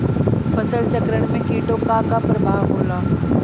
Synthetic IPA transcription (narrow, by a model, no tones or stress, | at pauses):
fʰɐsəlt͡ʃəkɾəɽ̃mẽkiːʈokakapɾɐbʱaːʋɦoːlaː